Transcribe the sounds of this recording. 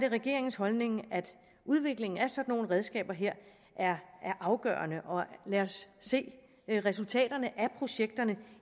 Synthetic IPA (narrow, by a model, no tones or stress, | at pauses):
d̥e̝ʁɛɡ̥e̝ɐeŋn̩shɒ̽lne̝ŋæd̥ | uð̞ˠʋe̝ɡ̥le̝ŋn̩æsɒ̽d̥no̝ːn̩ʁɛð̞ˠsɡ̥ɛ̰ːb̥ɐɦe̝ɐ̰ | ʔæɐæɐʔɑ̈ʊɡ̥œ̰ːɐnəʔɒ̽læɒsːe̝̰ː | ʁɛsult͡sʰɛ̰ːd̥ɐnəʔæpʰʁo̝ɕeɡ̥̚d̥ɐnə